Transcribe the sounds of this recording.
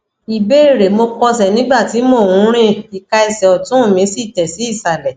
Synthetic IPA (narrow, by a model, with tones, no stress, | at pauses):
i˨be˦i˦˨ɾe˨mo˧kɔ˧s̬ɛ˨nĩ˨˦ɡ͡ba˦˨ti˨˦mo˦˨wũ˨˦ɾ̃ĩ˦i˨ka˧i˧sɛ˨ɔ˨tũ˨˦ũ˦˨mĩ˨˦si˦˨tɛ˨si˨˦i˦˨sa˨lɛ˨